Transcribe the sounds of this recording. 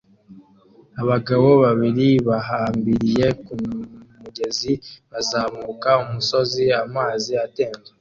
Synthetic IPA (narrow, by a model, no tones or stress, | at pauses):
aβaɡaβo̞βaβiɾiβaɦaːmbiɾije̞kumuɟe̞ziβazaːmuːkaumuso̞ziamaːziate̞ːnɡe